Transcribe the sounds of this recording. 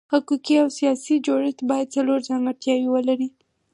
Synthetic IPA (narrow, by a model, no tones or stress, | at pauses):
hakukiawsijɑsid͡ʒoɽɪt̪bɑjad̪̚t͡saloɾzɑŋɡaɾt̪jɑwiwəlaɾi